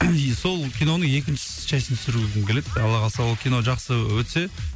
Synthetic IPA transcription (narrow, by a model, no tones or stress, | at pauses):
so̞lˠkʲijno̞nəɴje̞kʲɪnʃɪ̥ | ʃæjsɪnt̪ʰʏsɪɾuɡʲɪd̪ɪmkʲele̞d̪ɑlˠɑʁɑsɑwolˠkʲʰijno̞ʒɑqsəwɵt̪se̞